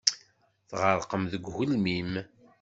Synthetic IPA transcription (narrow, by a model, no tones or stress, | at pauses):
θʁəɾˤqəmðəɡʷhulmim